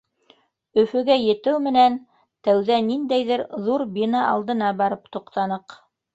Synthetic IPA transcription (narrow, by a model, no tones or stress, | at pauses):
ɵ̆fɵ̆ɡæjɘ̆t̪ɘwmɘ̆næn | t̪æwðænind̪æjðɘɾðuɾbinɑʔɑ̰lˠd̪ɤ̆nɑbɑɾɤpt̪ŭqt̪ɑnɤq